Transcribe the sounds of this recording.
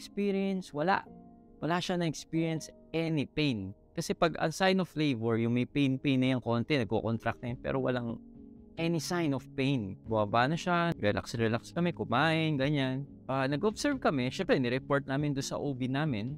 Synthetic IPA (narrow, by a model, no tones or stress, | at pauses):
kspiɾiɛnswɐla̰ʔ | wɐlaːʃanɐŋɛkspiːɹiɛnsʔɛnɪpejnkɐsɛpɐɡɐ̰ŋsajnoflevwɛɹjʊŋmɛjpejnpejnːɐjaŋko̞nt̪ɛnɐɡ̚ko̰kont̪ɾɐk̚t̪ɛpɛ̰ːɾʔowɐ̰laŋ | ʔɛnisajnofpejnbʊabaːnɐʃaɾɛlʔa̰ksɾɛlakskɐmɛkʊmaːʔɪnɡɐɲan | ʔanɐɡoʔbsɛɹvkɐmɛʃɛmpɾɛnɪɾɛpoɹt̪̚naːmɪnd̪ʊnsɐ̰ʔoːbɪnaːmɪn